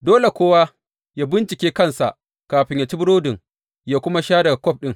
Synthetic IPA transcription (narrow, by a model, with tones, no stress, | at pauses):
doː˦le˨kʷoː˦waː˦ | jaː˦bɪ˦nt͡ʃɪ˨kʲeː˦kɐ˦˨nsa˨ʔ | kaː˨ɸɪ˦ɲja˨t͡ʃi˦bʊ˦ɽoː˦dɪ˨ŋ | jaː˦kʷʊ˦ma˦ʃaː˦dɐ˨ɡa˨kʷɔ˦˨p̚ɗɪ˦ŋ